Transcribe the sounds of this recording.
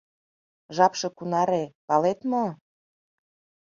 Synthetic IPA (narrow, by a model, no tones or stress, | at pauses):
ʒɑpʃɤkunɑɾepɑlet̪mo